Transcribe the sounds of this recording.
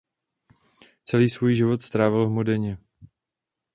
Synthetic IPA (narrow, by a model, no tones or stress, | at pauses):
t͡sɛliːsvujʒɪvo̞t̪st̪ɾaːvɪlɦmodɛɲɛ